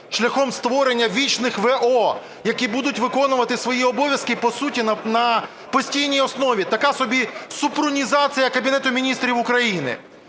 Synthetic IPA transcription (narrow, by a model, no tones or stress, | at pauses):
ʃlʲɐxɔmst̪ʋɔɾenʲːɐʋʲit͡ʃnɪxʋɛʔɔ | jɐkʲibud̪ʊtʲʋɪkɔnʊʋɐt̪ɪsʋɔjiɔbɔʋʲjɐskɪpɔsutʲinɐnɐ | pɔsʲtʲijnʲijɔsnɔʋʲit̪ɐkɑsɔbʲisʊpɾʊnʲizɑt͡sʲijɐkɐbʲinɛt̪ʊmʲinʲist̪ɾʲiʋʊkɾɐjinɪ̰